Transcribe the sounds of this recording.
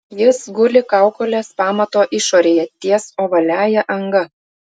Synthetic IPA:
jɪsɡʊlʲɪkɑˑʊkoːlʲeːspɑːmɐt̪oːʔɪʃoːɾʲeːjɛt̪ʲiɛsoːʋɐlʲæːjɛʔɐŋɡɐ

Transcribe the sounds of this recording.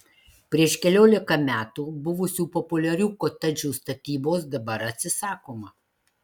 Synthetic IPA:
pʲɾʲiɛʃkʲɛlʲoːlʲɪkɐmʲæːt̪uːbʊʋʊsʲuːpɔpʊlʲɛɾʲuːkot̪ɐd͡ʒʲuːst̪ɐt̪ʲiːboːsd̪ɐbɐɾɐt̪ʲsʲɪsɑːkoːmɐ

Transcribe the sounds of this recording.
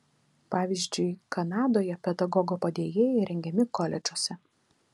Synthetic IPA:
pɑːʋʲiːzʲd͡ʒʲʊɪkɐnɑːd̪oːjɛpʲɛd̪ɐɡɔɡoːpɐd̪ʲeːjeːjɛɪɾʲɛŋʲɡʲɛmʲɪkɔlʲɛd͡ʒʲosʲɛ

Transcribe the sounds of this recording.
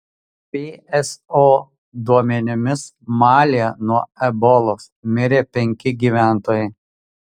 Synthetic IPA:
pʲeːɛsoː | d̪uɔmʲɛnʲɪmʲɪs | mɑːlʲɪjɛnuɔɛbɔlˠoːsmʲɪɾʲeːpʲɛŋʲkʲɪɡʲiːʋʲæˑnt̪oːjɛɪ

